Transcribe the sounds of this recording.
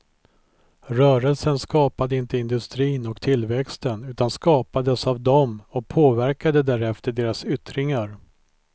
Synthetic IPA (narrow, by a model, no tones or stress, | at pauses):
ɾœːɾəlsənskɑːpad̪əɪnt̪əɪnd̪ɵst̪ɾiːnɔkt̪ʰɪlvɛkst̪ənʉ̟ːt̪anskɑːpad̪əsavd̪ɔmɔk̚pʰoːvæɾkad̪əd̪æɾɛft̪əɖeːɾasʏt̪ɾɪŋaɾ